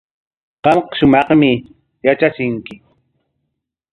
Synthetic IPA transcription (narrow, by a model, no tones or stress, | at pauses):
qɑmqɑʃʊmɑχmɪ | jat͡ʃasɪŋkɪ